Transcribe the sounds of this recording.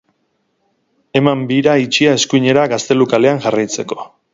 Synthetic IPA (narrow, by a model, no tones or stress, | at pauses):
e̞mambiɾait͡ʃiae̞skuɲe̞ɾaɣast̪e̞lukale̞aŋʝarajt͡se̞ko̞̥